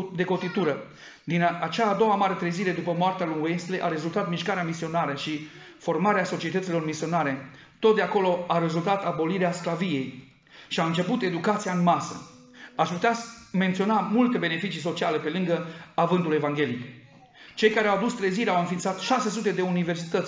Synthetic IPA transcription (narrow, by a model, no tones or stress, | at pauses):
d̪e̞ko̞t̪it̪uɾə | d̪inat͡ʃaːd̪o̞wamaɾet̪ɾeziɾe̞d̪upəmoart̪ealuŋuest̪leʔa̰ɾe̞zult̪at̪miʃkaɾeamisio̞naɾəʃi | fo̞rmaɾeaso̞t͡ʃie̞t̪ət̪silo̞rmisio̞naɾe̞ | t̪o̞t̪̚d̪eako̞lo̞aɾe̞zult̪at̪abo̞liɾeasklavije̞j | ʃiaɨnt͡ʃe̞put̪e̞d̪ukat̪sijaɨnmasə̰ | aʃput̪eame̞nt̪sio̞namult̪e̞be̞ne̞fit͡ʃis̬o̞t͡ʃiale̞pe̞lɨŋɡəavɨnt̪ule̞vaŋɡʲe̞lik | t͡ʃe̞jkaɾeawad̪ust̪ɾeziɾeawɨnfint̪sat̪ʃase̞s̬ut̪e̞d̪e̞unive̞rsi̥t̪ət̪sʲ